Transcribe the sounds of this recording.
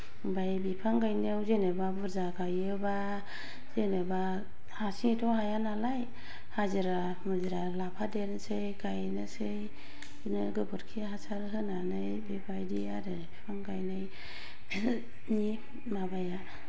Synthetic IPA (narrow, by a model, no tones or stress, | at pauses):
bajbipʰaŋɡajnewzenɯbabɯɾzaɡajɯba | zenɯba | hasitʰɔhajanalaj | haziɾa | mɯziɾalapʰadensejkʰajnɯsej | nɯɡɯbɯɾkʰiɦasaɾɦɯnanɯjbebajdiaɾɯbipʰaŋɡajnɯj | ni | mabaja